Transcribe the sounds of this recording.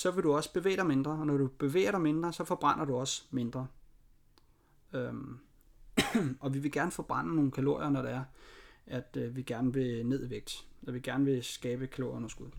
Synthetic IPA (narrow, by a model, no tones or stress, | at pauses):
sɒ̽ʋe̝ɾuɒ̽sb̥e̝ʋḛːɾ̥ɑ̈ɪme̝nd̥ʁɐɒnɒɾ̥ub̥e̝ʋḛːɐɾɑ̈ɪme̝nd̥ʁɐsɒ̽fɒ̽b̥ʁɑn̰ɐɾuɒ̽sme̝nd̥ʁɐ | ø | ɒ̽ʋiʋe̝ɡ̥æɐnəfɒb̥ʁɑn̰əno̝ːn̩kʰælo̝ɐ̰jɐnɒɾ̥eæɐæd̥ʋiɡ̥æɐnəʋe̝ne̝ð̞̰ˠiʋeɡ̥̚d̥ɒʋiɡ̥æɐnəʋe̝sɡ̥ɛːb̥əkʰælo̝ːɐonɐsɡ̥uðˠ